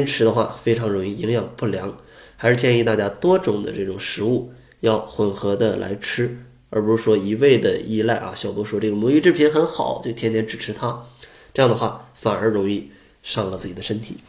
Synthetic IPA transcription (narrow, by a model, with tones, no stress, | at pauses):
t̪ʰjɛ˥nʈ͡ʂʰɻ̩˧˥d̪ə˧xwa̰˥˧fe˥ɪʈ͡ʂʰɑ˧˥ŋɻʊ˧˥ŋi˥˩i˧˥ŋjɑ˨˩ŋpu˥˩ljɑ˧˥ŋ | xa˧˥ɪʂɻ̩˥˧˩t͡ɕʰjɛ˥˧ni˥˧t̪a˥˧˩t͡ɕja˥t̪wɔ˥ʈ͡ʂʊ˨˩ŋd̪ə̰˦ʈ͡ʂɤ˥˩ʈ͡ʂʊ˨˩ŋʂɻ̩˧˥u˥˩ | jɑ˥˩ʊxwə˧˥˩nxɤ˧˥d̪ə̰˧lʔa̰˧˥ɪʈ͡ʂʰɻ̩˥ | ə˞˧˥pu˧˥ʂu˥˩ʂwɔ˥i˧˥we˥˩ɪd̪ə˩i˥˧la˥˩ɪʔɐ̰˧˩ɕjɑ˨˩ʊt̪wɔ˧˥ʂwɔ˥ʈ͡ʂɤ˥˩ɡə˩mɔ˧˥i˥ʈ͡ʂɻ̩˥˩pʰi˧˥nxə˧˥nxɑ˨˩˦ʊt͡ɕjo˥˩ʊt̪ʰjɛ˥nt̪ʰjɛ˥nʈ͡ʂɻ̩˨˩ʈ͡ʂʰɻ̩˧˥t̪ʰa˥ | ʈ͡ʂɤ˥˧jɑ˥˩ŋd̪ə˧xwa˥˩fa˨˩ə˞˧˥ɻʊ˧˥ŋi˥˧ | ʂɑ˥˧ŋlə˧˩t͡sɹ̩˥˩t͡ɕi˨˩d̪ə˦ʂə˥nt̪ʰḭ˨˩˦